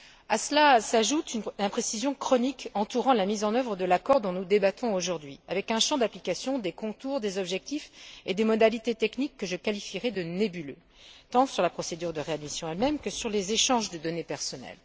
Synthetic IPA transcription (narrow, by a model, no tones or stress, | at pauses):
aslasaʒut̪ynnpχesizjɔ̃kχɔnikɑ̃t̪uʁɑ̃lamizɑ̃nœvʁəd̪əlakɔʁd̪ɔ̃nud̪ebat̪ʰɔ̃oʒuʁd̪ɥiavɛkɛ̃ʃɑ̃d̪aplikasjɔ̃d̪ekɔ̃t̪uʁd̪ezɔbʒɛk̚t̪ifed̪emɔd̪alit̪et̪ɛknikːəʒəkalifiʁɛd̪ənebylø | t̪ɑ̃syʁlapχɔsed̪yʁd̪əʁead̪misjɔ̃ɛlmɛmkəsyʁlezeʃɑ̃ʒd̪əd̪ɔnepɛʁsɔnɛ̰l